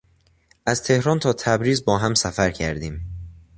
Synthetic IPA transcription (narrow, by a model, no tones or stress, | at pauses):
ʔæz̥t̪ʰe̞hɾɒːnt̪ʰɒːt̪ʰæbɾiːzbɒːɦæmsæfæɾcʰæɾd̪iːm